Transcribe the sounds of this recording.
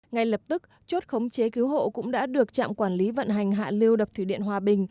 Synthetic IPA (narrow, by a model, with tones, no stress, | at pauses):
ŋa˨˩jlə˨˩p̚t̪ɨ˦˥k̚ | t͡ɕo˦˥t̚xə˨˦wŋ͡mt͡ɕe˨˦ki˨˦wɦo̰˧˨kʊ̰˧˥ŋ͡mɗa̰ː˧˥ɗɨ˨˩ək̚t͡ɕa̰ː˧˨mkwaː˧˩nli˨˦və̰˧˨nɦa˨˩jŋ̟ɦa̰ː˧˨li˧əwɗə˨˩t̪ʰi˧˩ɗḭ˧˨ənɦwaː˨˩ɓï˨˩ŋ̟